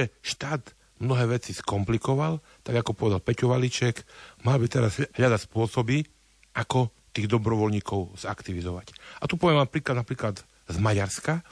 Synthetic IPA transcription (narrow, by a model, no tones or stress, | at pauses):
ɛʃt̪aːd̪ | mnɔɦɛːʋɛt͡siskɔmplikɔʋal | t̪aɡakɔpɔʋɛd̪alpɛcuʋalit͡ʃɛkmalbit̪ɛɾazɦʎad̪aspʊɔsɔbi | ʔakɔ | t̪iːɣd̪ɔbɾɔʋɔlɲiːkɔʊz̥akt̪iʋizɔʋacat̪upɔʋɛmaːnpɾiːklad̪napɾiːklad̪ | zmaɟaɾska